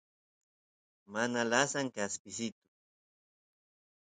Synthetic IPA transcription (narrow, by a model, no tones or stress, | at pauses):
manalasaŋkaspɪsɪt̪ʊ̥